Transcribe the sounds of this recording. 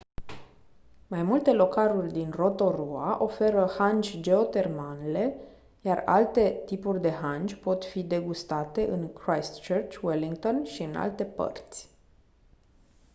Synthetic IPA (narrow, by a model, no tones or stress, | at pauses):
majmult̪e̞lo̞kalurʲd̪inro̞t̪o̞ɾuaʔo̞fe̞ɾəhand͡ʒʲd͡ʒe̞o̞t̪e̞rmanele̞ | jara̰lt̪e̞t̪ipurʲd̪e̞ɦand͡ʒʲpo̞t̪fid̪e̞ɡust̪at̪e̞ʔɨnkɾajst̪t͡ʃərt͡ʃʲweliŋɡt̪o̞nʃiɨna̰lt̪e̞pə̰rt̪sʲ